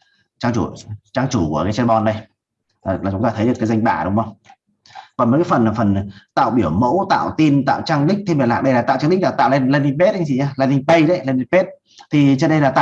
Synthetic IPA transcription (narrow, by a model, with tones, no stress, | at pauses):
t͡ɕaː˧ŋt͡ɕu˧˩t͡ɕaː˧ŋt͡ɕu˧˩ku˧˩əkaː˨˦jt͡ɕa˧nɓɔ˧nɗə˧j | aː˨˩aː˨˩t͡ɕʊ˨˦ŋ͡mt̪aː˧ə˨˦jɗɨ˨˩əkaː˨˦za˧jŋ̟ɓa̰ː˧˩ɗʊ˨˦ŋ͡mə˧wŋ͡m | kɔ˨nmə˨˥kaː˨˦fə˨˩nlaː˨˩fə˨˩n˨˩t̪a̰ː˧˨wɓi˧˩əwmo̰˧˥wt̪a̰ː˧˨wt̪i˧nt̪a̰ː˧˨wt͡ɕaː˧ŋɗï˦˥k̚t̪ʰe˧mɓi˨˩laː˧˨k̚ɗə˧jlaː˨˩a̰ː˧˨t͡ɕa˧ŋlï̟˦˥laː˨˩t̪a̰ː˧˨wle˧nla˧ni˧ŋpe˦˥t̚ʔŋt͡ɕi˧˨aː˧˩laː˧ni˧ŋɓə˧jɗə˨˦jla˧ni˧ŋpe˦˥t̚ | t̪ʰi˨˩t͡ɕə˦˥n̚ɗə˧laː˨˩t̪aː˧˨